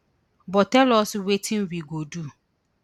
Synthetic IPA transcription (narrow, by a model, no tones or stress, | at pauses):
bɔtɛlɔswetʰĩnwiɡodu